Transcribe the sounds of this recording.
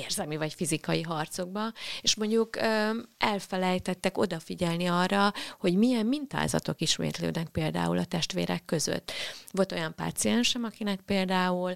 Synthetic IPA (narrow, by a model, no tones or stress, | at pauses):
eːrzɛmivɒcfizikɒjiɦɒrt̪so̞ɡ̚bɒeʃmo̞ɲɟukøɛlfɛlɛjt̪ɛt̪ːɛko̞d̪ɒfiɟɛlniɒrːɒho̞ɟmijɛmːint̪a̰ːzɒ̰t̪o̞kiʃmḛːt̪lø̰ːd̪nɛk̚peːld̪a̰ːulɒt̪ɛʃt̪ʋḛːɾɛkːø̞zø̰t̪ːʋo̞lt̪o̞jɒmpa̰ːt̪siɛnʃɛmɒkinɛk̚peːld̪aːul